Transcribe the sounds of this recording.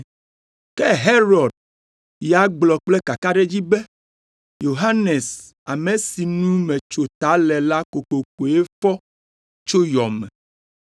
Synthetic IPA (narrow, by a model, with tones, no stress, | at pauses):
kɛ˦ɦe˦ɾɔ˨ɖ̚ | ja˨˦ɡ͡blɔ˨k͡plɛ˦ka˨ka˦ɖe˦d͡ʑi˦bɛe˦ | jo˨ɦa˦ne˨s | a˨me˨si˨nũ˦mẽ˨t͡ʃo˨t̪a˨˦lɛ˨la˦ko˨ko˨ko˨e˦fɔ˦ | t͡ʃo˦jɔ˨mɛ̃˨